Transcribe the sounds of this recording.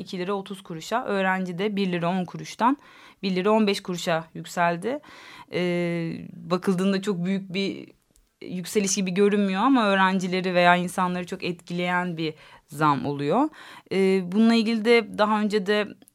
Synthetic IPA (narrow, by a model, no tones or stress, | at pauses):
icʰilʲeɾɛo̞t̪ʰuz̥kʰuɾuʃaʔø̞ːɾænd͡ʒid̪ɛbiɾlʲeɾɛo̞nkʰuɾuʃt̪ʰan | biɾlʲeɾɛo̞nbɛʃkʰuɾuʃajycʲsælʲd̪ɪɛːbakʰɯlˠd̪ɯːnd̪at͡ʃʰo̞k̚byjyc̚bi | jycʲse̞lʲiʃɟibiɟø̞ɾynmyjo̞amaø̞ːɾænd͡ʒilʲe̞ɾive̞jaːinsanlˠaɾɯt͡ʃʰo̞kɛt̪cʰilʲe̞jænbi | zamo̞̰lˠujo̞ɯːbununlˠailʲɟilʲid̪ɛd̪aɦaø̞nd͡ʒed̪ɛ